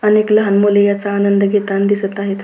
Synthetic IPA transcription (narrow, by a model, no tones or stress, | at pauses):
ənekləɦanmulejat͡saːnənd̪əɡet̪and̪isət̪aɦet̪